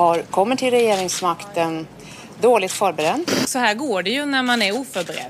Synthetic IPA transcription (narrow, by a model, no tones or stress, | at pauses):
haɾkʰɔmːəʈʰɪlɾɛjeːɾɪŋsmakt̪ən | d̪oːlɪt̪fœːɾbɛɾɛnd̪sɔɦæːɾɡoːɖɛjɵnæɾmanæɾuːfœɾbɛɾɛ̰d̪